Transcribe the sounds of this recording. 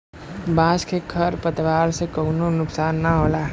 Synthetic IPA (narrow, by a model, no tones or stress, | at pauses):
bãːskʰekʰɐɾpət̪ʋaːɾsekənonʊksaːnːaɦoːlaɦɛ